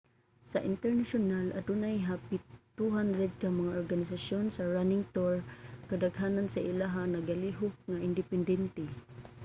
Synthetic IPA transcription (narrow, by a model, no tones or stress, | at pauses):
sa̰ʔɪ̰nt̪ɛɹnaʃʊnalad̪unajɦapit̪uɦandɾɛd̪̚kamaŋaʔoɹɡanɪsaʃjonsaɹanɪŋt̪oɹkad̪aɡɦanansaʔilaɦanaɡaliɦʊk̚ŋaʔɪnd̪ɪpɛnd̪ɛnt̪ɛ